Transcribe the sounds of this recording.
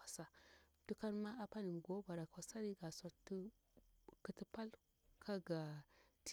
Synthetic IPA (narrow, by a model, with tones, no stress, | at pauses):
a˨sa˨ | tu˦ka˦nma˦a˦pa˦ni˨m˨ɡo˦ba˨ɾa˨ka˨sa˦ɾi˦ɡa˨sa˦tːu˦ | kə˨ti˦pa˦l | kʰa˦ɡa˨t